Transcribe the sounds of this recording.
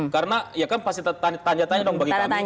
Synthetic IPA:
kaɾənajakanpast̪it̪at̪aɲt̪aɲd͡ʒat̪aɲadɔŋbaɡia

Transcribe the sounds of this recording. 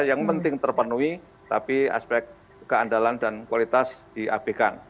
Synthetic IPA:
jaŋpənt̪ɪŋt̪ərpənui | t̪apia̰spɛk̚t̪̚ | kəandalandankwalit̪asd̥iʔa̰b̥ekan

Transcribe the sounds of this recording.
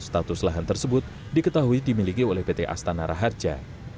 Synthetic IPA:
st̪at̪ʊslaɦant̪ərsəbʊt̪̚ | dikət̪aɦuidimilikiolɛhbet̪eʔa̰st̪anaɾaɦard͡ʒa̰

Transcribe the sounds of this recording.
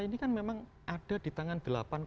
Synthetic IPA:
inikanmemaŋ | ʔaɖ̥a̤d̪̥i̤t̪aŋand̪̥əla̰pank

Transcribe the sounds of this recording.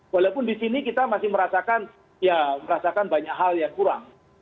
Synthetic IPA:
walawpʊndisinikit̪amasɪhməɾasakan | jaməɾasakanbaɲakɦaljaŋkuɾa̰ŋ

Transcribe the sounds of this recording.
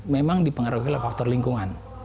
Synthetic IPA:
memaŋdipəŋəɾuɦilafak̚t̪ɔrliŋkuŋan

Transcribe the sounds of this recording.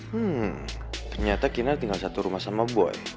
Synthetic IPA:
m̩ | t̪ərɲat̪akinat̪iŋɡalsat̪uɾumahsamabua̰j

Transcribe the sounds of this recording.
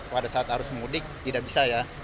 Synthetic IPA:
padasaat̪haɾʊsməmudɪk̚t̪idaʔbisaja

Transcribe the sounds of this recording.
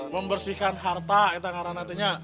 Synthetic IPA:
məmbərsikanɦart̪ait̪aŋaɾanant̪iɲa

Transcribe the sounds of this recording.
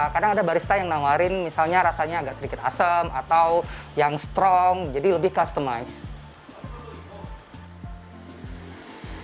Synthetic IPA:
kadaŋadabaɾist̪ajaŋnawaɾɪnmisalɲaɾasaɲaːɡaʔsədikɪt̪a̰səmat̪awjaŋst̪ɾɔŋd͡ʒadiləbɪhkast̪əmaɪs

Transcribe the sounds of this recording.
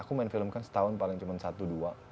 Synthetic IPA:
akumaɪnfilmkansə̥t̪aʊnpalɪŋt͡ʃumansat̪udua

